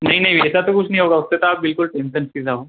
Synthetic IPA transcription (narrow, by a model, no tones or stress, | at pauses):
naɦinaɦiʋet͡sat̪okuʂniɦoɡaʋəst̪et̪abilkulʈenʈənsid͡zao